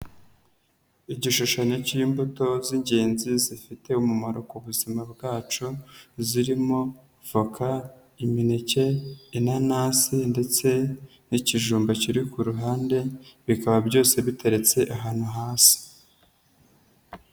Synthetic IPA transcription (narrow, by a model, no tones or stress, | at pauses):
iɟiʃuʃaɲo̞cimbuto̞ziɲɟe̞ːnzizifite̞umumaɾo̞kuβuzimabɡaːt͡ʃuziɾimo̞ | fokʰa | iminice̞inanaːsinde̞t͡se̞ | niciʒuːmbaciɾikuɾuɦaːnde̞βikaβabɟo̞ːse̞βite̞ɾe̞t͡se̞ʔaɦaːn̥huɦaːsi̥